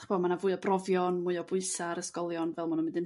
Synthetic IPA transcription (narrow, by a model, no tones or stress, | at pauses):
χb̥ʰɔmanavuːɨɔbrɔvjɔnmuɨɔbʊɨsaɾəskɔlˠjɔnvɛlˠmʊnunmɪndɪn